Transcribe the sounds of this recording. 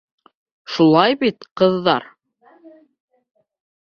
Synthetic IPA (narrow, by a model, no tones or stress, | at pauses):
ʃulˠɑjbit̪qɤ̆ðːɑɾ